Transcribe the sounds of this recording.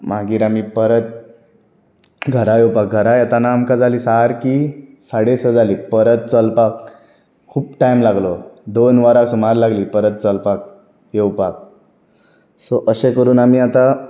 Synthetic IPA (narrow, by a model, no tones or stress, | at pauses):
maɡiːɾam̤iːpəɾət̪̚ | ɡʱəɾajewpak̚ɡʱəɾajat̪anaːmkad͡zaliːsaaɾkisaɽesəd͡zaliːpəɾət̪̚t͡səlpak | kʰːuːpʈajmlaɡlod̪onʋaɾaksumaɾlaɡliːpəɾət̪̚t͡səlpak | jewpak̚ | soʔəɕekəɾuːnamiːat̪a